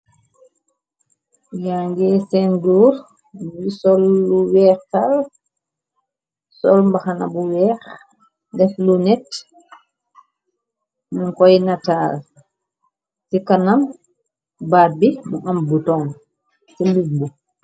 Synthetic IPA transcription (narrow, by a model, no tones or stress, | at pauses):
jaŋɡɛːsɛnduːɾ | wisɔlːuwɛːɾtal | sɔlmbaxana̰buwɛːɾ | dɛflunɛt | muŋkɔjnataːl | sikanam | baːt̚bimuʔambutɔn | sɛlbuɡ̚bu